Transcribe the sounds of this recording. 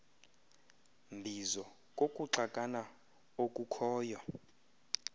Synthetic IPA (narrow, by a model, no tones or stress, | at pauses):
mbʱizɔ | kʼokʼuǀakʼana | okʼukʰɔːjɔ